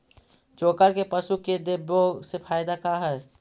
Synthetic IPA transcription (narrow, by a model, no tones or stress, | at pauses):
t͡ʃoːkəlkepəʃuked̪ebosefʰaːjd̪akaɦɛː